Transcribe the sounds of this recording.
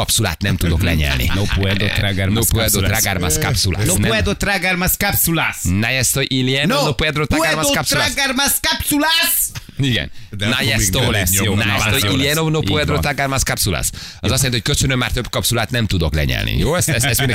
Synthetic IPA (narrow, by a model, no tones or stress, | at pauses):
ɒpsula̰ːt̪nɛmt̪ud̪oklɛɲɛ̰lnḭnopuɛd̪ot̪ɾaɡaɾnopoɛd̪ot̪ɾaɡarmaska̰psula̰ːsonɛoɛd̪ot̪ɾaɡaɾmaskapsulasnajɛst̪ojʔiliɛnoopoɛd̪ɾot̪aɡarmaskapsulaɡaɾmaskapsulasiɡɛ̰nnajɛt̪olɛsajɛt̪oiliɛnonopuɛd̪ɾoɾaɡaɾmaskapsula̰s | ɒzsjanho̥køt͡ʃønømːaːrt̪øbkɒpsulaːt̪nɛmt̪ud̪oklɛ̰ɲɛ̰lnḭjoːɛsɛsɛsen